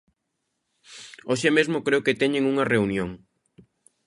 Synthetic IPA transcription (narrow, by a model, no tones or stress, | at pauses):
oʃemezmokɾeoket̪ɛɲeŋuŋɐreunjoŋ